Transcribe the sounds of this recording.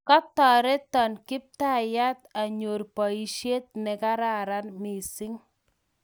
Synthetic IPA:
kɔ˦tɔ˨ɾɛ˦t̪ɔ˨nkɪ˦p̚ta˦˨ja˦t̪a˨ɲo˨rpɔ˨i˨ʃje˦t̪̚nɛ˨ka˦ɾa˦˨ɾa˦nmi˨sɪ˦ŋ

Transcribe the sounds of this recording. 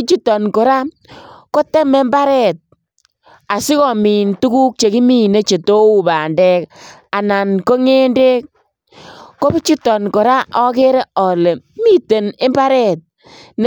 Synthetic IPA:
t͡ʃu˦tɔ˨nko˨ɾa˦ | ko˦tɛ˦mɛ˦mba˦ɾɛ˨t̚ | a˨si˦kɔ˨mi˨ntu˦ku˦k̚t͡ʃe˨ki˦mi˦ne˦t͡ʃe˨to˦u˨ba˨ndɛ˦ka˨na˨nko˦ŋe˦nde˦k̚ː | o˦bi˦t͡ʃu˦tɔ˨nkɔ˨ɾa˦ʔɔ˦ke˦ɾe˦ɔ˨le˨mi˦te˨ne˦mba˦ɾɛ˨t̚ | n˦

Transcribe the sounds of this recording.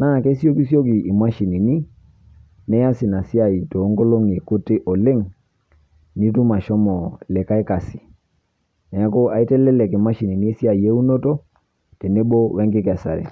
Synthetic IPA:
na˦˨ke˦si˦o˦ki˦sjo˦ki˨ʔi˨ma˦ʃi˨ni˨ni˦ | nɛ˦ja˦si˨na˨si˦a˨i˨to˨˦ŋɡo˦lo˦ŋe˨ko˦te˦ʔɔ˨le˦ŋ | ni˦tu˦ma˨ʃɔ˦mɔ˨lɛ˨ka˦ɛ˦ka˨si̥˨ | nɛ˨a˦ko˦a˨i˦tɛ˦lɛ˦lɛ˨ki˨ma˦ʃi˨ni˨ni˦e˦si˦a˨i˨e˦u˦no˦to˦ | te˨ne˦bo˦wɛ˦ŋɡɪ˦kɛ˨sa̰˨ɾɛ̰˨

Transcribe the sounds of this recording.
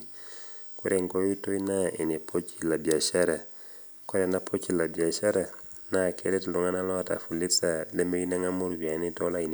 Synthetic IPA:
kuɾeŋkoju˦to˦inai˨ne˨pʰot͡ʃila˨bi˨a˨ʃaɾa | ko˦ɾenapʰot͡ʃila˨bi˨a˨ʃa˦ɾa˨ | nakʰe˦ɾe˦tluŋanala˦wata̰˨fu˨li˦sale˦me˦ɡi˦naŋamu˦ɾwanito˦lai˨n

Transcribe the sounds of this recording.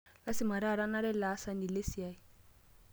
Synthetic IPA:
la˦sɪ˨ma˨ɾa˨ɾa˦na˦lɛ˦laː˨˦sa˦ni˨le˦si˨a˦i˨

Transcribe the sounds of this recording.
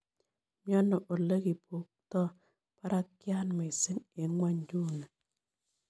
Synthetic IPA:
mjɔ˦nɔ˨ʔo˨le˦ki˨po˨˦k̚t̪ɔ˦ | pa˦ɾa˦kja˦nmɔ˨i˨si˦ŋe˨ŋwa˦ɲd͡ʒu˦ne˨

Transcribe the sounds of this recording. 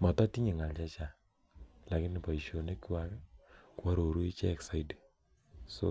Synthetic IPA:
ma˨ta˦ti˦ɲi˨ŋa˨lt͡ʃa˦t͡ʃa˨ | la˨kɪ˦nːɪ˨pa˨i˨ʃo˨ne˦ki˦wa˨kɛ˦kwa˦ɾo˨ɾu˦i˦t͡ʃɛ˦ɛ˨ksa˨ide˨ | so˦

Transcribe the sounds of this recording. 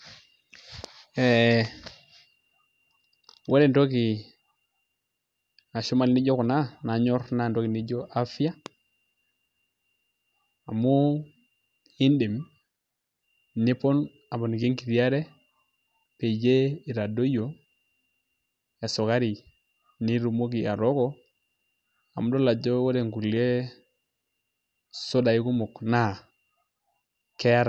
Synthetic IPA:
e˨ | we˦ɾe˨nto˦ki˨ | a˨ʃu˦ma˦lni˦ɟo˦ku˨na˦na˨ɲɔ˦ɾna˦˨n˨to˦ki˨ni˦ɟo˦ʔa˦fi˦a˦ | a˨mu˦ | i˦ndi˨m˨ | ni˦pɔ˦n | a˨bɔ˨n˨ɡe˦ŋɡi˨ɾi˨a˦ɾe˦ | pe˨d͡ʒe˦i˨ɾa˨do˦jo˨ | e˨sɔ˨ɣa˦ɾi˨ | ni˦ɾu˨mo˦ɡi˨a˨ɾɔ˦ɡɔ˦ | a˨mu˦dɔ˦la˨d͡ʒɔ˦wo˦ɾe˨ŋɡu˨lje˦ | so˦da˨i˦ɡu˦mo˨kna˦˨ | ke˦a˦ɾa˨

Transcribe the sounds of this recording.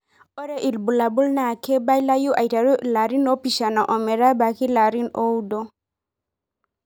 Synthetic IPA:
ɔ˦ɾɛ˦ʔi˨lbu˨la˨bu˦lna˨kɛ˦ba˦ila˦ju˦ʔa˨i˨ta˨ɾu˦la˨ɾi˦nɔ˦pi˨ʃa˨na˨ʔɔ˨mɛ˨ɾa˦ba˨ki˦la˨ɾi˦no˦u˦dɔ˦

